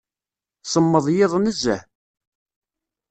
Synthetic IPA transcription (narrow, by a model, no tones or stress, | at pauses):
sˤəmːəðˤjɪðˤnəzæ̰